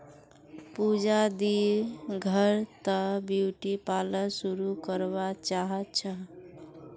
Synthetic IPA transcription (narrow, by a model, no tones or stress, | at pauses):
pud͡ʒad̪iɡʱəɾt̪əbiwʈipaləsuɾukəɾβat͡ʃaɦətt͡ʃʰə